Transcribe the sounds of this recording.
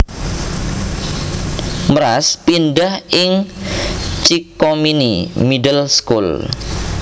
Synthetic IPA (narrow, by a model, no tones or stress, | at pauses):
məɾaspinɖahɪŋ | t͡ʃikominimidəlskul